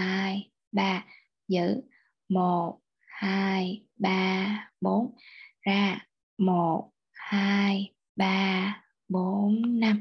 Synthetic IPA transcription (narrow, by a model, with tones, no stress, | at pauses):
haː˧j | ɓaː˧˩ | zɨ̰˧˥ | mo˨˩t̚ | haː˧j | ɓaː˧ɓo˨˦nzaː˧˩ | mo˨˩t̚ | haː˧j | ɓaː˧ | ɓo˨˦nːa˧m